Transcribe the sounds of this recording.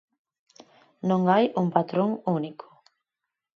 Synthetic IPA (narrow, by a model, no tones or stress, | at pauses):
nõŋajuŋpat̪ɾoŋunikʰʊ̥